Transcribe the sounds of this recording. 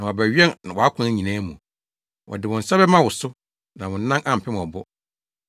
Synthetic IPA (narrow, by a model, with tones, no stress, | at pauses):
nã˨wɔ˨bæ˨ɥᶣɛ˦nnã˨wɔ˨a˦kʰʊ̃˦æ˨ɲĩ˨nãː˦mũ˨ | wʔɔ̰˨dɪ˨wɔ̃˨n̩˨sa˦bɛ˦mã˦wʊ˨sʊ˦ | nã˨wʊ̃˨n˦nã˦nʔã˦˨m̩˨pʰɪ˦m˨ɔ˨bʊ˦